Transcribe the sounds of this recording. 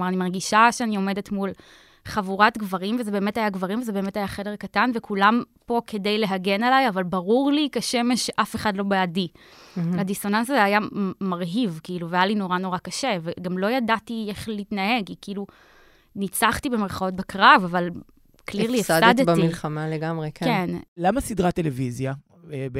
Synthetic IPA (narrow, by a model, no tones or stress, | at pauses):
maʁanimaʁɡiʃaʃeanio̞me̞detmul | χavuʁatɡvaʁimvezebe̞ːmetajaɡvaʁimveze̞beːmetajaχede̞ʁkatanvekʰulampo̞ke̞dejle̞ɦaɡenalajavalbaʁuʁlikaʃemeʃʔafeχadlo̞beadi | adiso̞nansazeajamaʁɦivkiiluveajalino̞ʁano̞ʁakaʃe̞veɡamlo̞jadatieχliitnae̞ɡikiilu | nit͡saχtibemeʁχao̞t̚bekʁavaval | kliʁliad̪ilχamaleɡamʁekkenlamasidʁat̪ːelevizja | b